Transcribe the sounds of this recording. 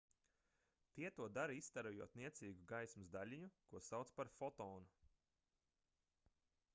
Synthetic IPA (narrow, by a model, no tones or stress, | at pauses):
t̪iɛt̪uɔd̪aɾist̪aɾujuɔt̪niɛt̪siːɡuɡajsmɨzd̪alʲiɲukuɔsawt̪spaɾfɔt̪ɔːnu